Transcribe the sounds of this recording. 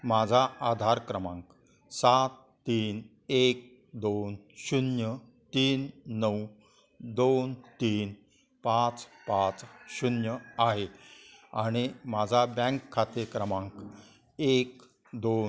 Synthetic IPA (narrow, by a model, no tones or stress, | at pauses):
mad͡zʱaad̪ʱaɾkɾəmãŋk | sat̪ːiːn | ek̚ | d̪on | ɕunjə | t̪iːnːəw | d̪ont̪iːn | pat͡spat͡sɕunjəaɦe | a̰ɽ̃imad͡zʱabɛ̃ŋkʰːat̪iɾkɾəmãŋk | ek | d̪o